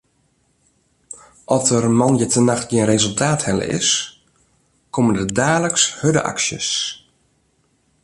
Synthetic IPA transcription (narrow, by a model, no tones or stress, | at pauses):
ʔɔsərmɑnjətənaxtɡiənrezəlˠtʰaːthɛlə̰ʔɪ̰s | koməndədaːləkshødə̰ʔa̰ksjə̰s